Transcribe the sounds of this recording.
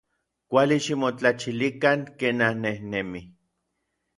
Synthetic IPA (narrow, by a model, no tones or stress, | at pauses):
kʷaliʃimot͡ɬat͡ʃilikaŋkeːnanːehnemi